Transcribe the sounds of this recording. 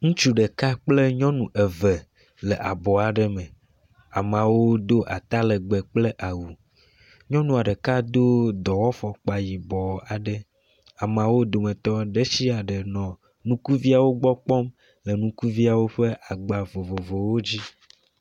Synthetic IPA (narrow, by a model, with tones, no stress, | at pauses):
ŋũ˦t͡ʃu˦ɖɛ˨ka˦k͡ple˦ɲɔ̃˦nũ˨ʔɛ˨ve˨ | le˨ʔa˨bɔ˨a˨ɖɛ˨mɛ̃˨ | a˨mã˨wo˦d̪o˦ʔa̰˨t̪a˦lɛ˨ɡ͡bɛ˨k͡ple˦ʔa˨wu˨ | ɲɔ̃˦nũ˨a˨ɖə˨ka˦d̪o˦d̪ɔ˨wɔ˦fɔ˨k͡pa˨ji˨bɔ˨a˨ɖə˦ | a˨m˨ã˨wo˦d̪o˨mẽ˨t̪ɔ˦ɖe˦si˦a˨ɖe˨nɔ̃˨ | nũ˦ku˦vi˦a˨wo˦ɡ͡bɔ˦k͡pɔ˦m | le˨nũ˦ku˦vi˦a˨wo˦ɸe˦ʔa˨ɡ͡ba˨vo˨vo˨vo˨wo˦d͡ʑi˦